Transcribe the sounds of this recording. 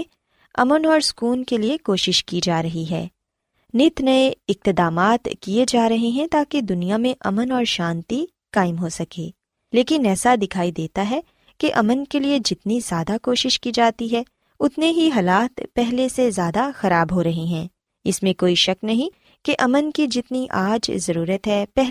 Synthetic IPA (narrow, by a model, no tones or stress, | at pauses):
ɐ̰mənɔːɾskuːnkeliekoːʃɪʃkid͡ʒaːɾɐɦiɦɛ̰ː | nɪt̪nɐeɪq̚t̪ɪd̪aːmaːt̪kied͡ʒaːɾɐɦeɦɛ̃t̪aːked̪ʊnijamẽʔɐmənɔːɾʃãːnt̪i | kaːɪmɦosɐkeː | leːkɪnɛːsad̪ɪkʰaːid̪eːt̪aɦɛ | keʔɐmənkelied͡ʒɪt̪nizjaːd̪akoːʃɪʃkid͡ʒaːt̪iɦɛ | ʊt̪neɦiɦɐlaːt̪pɛɦlesezjaːd̪axɐɾaːbɦoɾɐɦeɦɛ̃ː | ɪsmẽkoːiʃɐknɐɦĩ | keʔɐmənkid͡ʒɪt̪niʔaːd͡ʒzɐɾuːɾət̪ɦɛpɛɦ